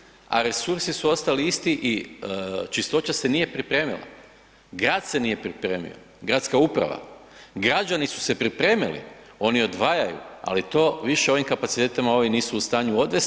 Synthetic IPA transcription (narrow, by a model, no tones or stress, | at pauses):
a̰ɾe̞suɾsisuo̞st̪aliist̪iʔi | t͡ʃist̪o̞t͡ɕase̞nije̞pɾipɾe̞ːmḭlˠa̰ | ɡɾaːd̪̥se̞nije̞pɾipɾe̞ːmḭo̞̰ | ɡɾaːt̪skaupɾa̰ʋa̰ | ɡɾad͡ʑanisu̥se̞pɾipɾe̞ːmḭlḭ | o̞nio̞d̪ʋaːjajṵa̰lit̪o̞ʋiʃe̞o̞ʋimkapat̪si̥t̪eːt̪amao̞ʋiniːsuːst̪aːɲuo̞d̪ʋe̞s